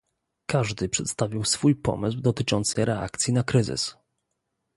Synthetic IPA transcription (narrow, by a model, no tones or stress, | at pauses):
kaʐd̪ɘpʂɛt̪st̪avʲiwsfujpɔ̰mɘz̬wd̪ɔt̪ɘt͡ʂɔnt̪sɛɾɛa̰k̚t̪sʲjinakɾɘzɘ̰s